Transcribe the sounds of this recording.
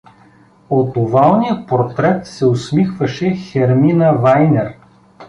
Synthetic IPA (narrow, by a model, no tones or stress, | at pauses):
ot̪ʊvalˠnijəpoɾt̪ɾɛt̪sɛʊsmixvɐʃɛxɛɾminɐvajnɛɾ